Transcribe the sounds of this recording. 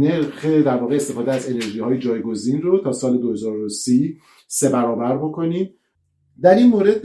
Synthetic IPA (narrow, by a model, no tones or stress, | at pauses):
neɾxed̪æɾvɒːɣe̞ːst̪e̞fɒːd̪eæze̞ne̞ɾʒiːhɒːjed͡ʒɒːjɡo̞ziːnrot̪ʰɒːsɒːle̞d̪ohe̞zɒːɾosi | se̞bæɾɒːbæɾbo̞kʰo̞niːm | d̪æɾinmoːɾe̞d̪̚